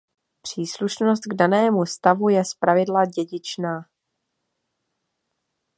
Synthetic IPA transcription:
pr̝̥iːsluʃnost̪̚ɡdanɛːmust̪avujɛspɾavɪdlaɟɛɟɪt͡ʃnaː

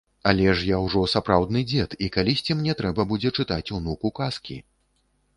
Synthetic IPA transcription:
alʲɛʂjawʐɔsapɾawd̪nɨd͡zʲɛt̪ikalʲisʲt͡sʲimnʲɛt̪ɾɛbɐbud͡zʲɛt͡ʂɨt̪at͡sʲunukukaskʲḭ

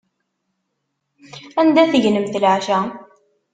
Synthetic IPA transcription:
ænd̪æθəʝnəmθəlʕʃæ

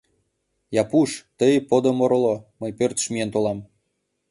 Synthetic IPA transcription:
jɑpuʃt̪əjpod̪omoɾoloməjpørt̪ə̥ʃmient̪olɑm

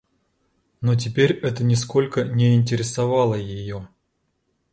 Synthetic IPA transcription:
not̬ʲɪpʲeɾʲɛt̪ənʲɪsko̞lʲkənʲɪɪnʲtʲɪɾʲɪsɐvɑlˠəjɪjo

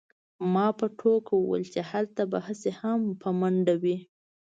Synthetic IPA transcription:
mɑpəʈʰokawəwə̰lt͡ʃehalt̪abahəsehampʰəmaɳɖawi

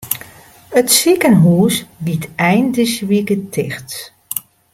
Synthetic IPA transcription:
ətsikənɦuːslitʰɛjndɪsʋikətʰɪxt

